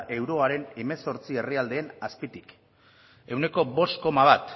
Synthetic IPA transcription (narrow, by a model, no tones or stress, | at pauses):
ʔe̞wɾo̞aɾe̞ne̞me̞so̞ɾt͡sie̞riald̪e̞ːnaspit̪ik | e̞wne̞ko̞βo̞st̪ko̞maβ̞at̪